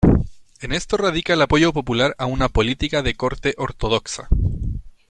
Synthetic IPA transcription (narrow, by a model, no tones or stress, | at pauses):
e̞ne̞st̪o̞raðikaelapo̞ʝopo̞pulaɾaunapo̞lit̪ikaðe̞ko̞ɾt̪e̞ʔo̞ɾt̪o̞ð̞o̞ksa̰